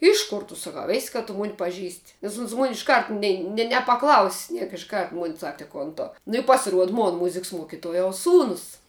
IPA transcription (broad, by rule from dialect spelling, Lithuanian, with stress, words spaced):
ˈɪʃ koːr tʊ ˈsɑːkɐʊ ˈeːsʲ kɐ tʊ ˈmoːn pɐˈʒʲiːsʲtʲ nʲɛs ʊns mʊnʲ ɪʃˈkɐrt ˈnʲɛɪ nʲɛ nʲɛpɐˈklˠɐʊsʲ ˈnʲiɛk ɪʃ ˈkɐrt ˈmʊnʲ ˈsɐk tʲɪ ˈkoːn ˈtʊ nʊ ɪ pɐsʲɪˈruɔt ˈmoːn ˈmʊzʲɪks ˈmuɔkʲɪtuɔjɛʊs ˈsuːnʊs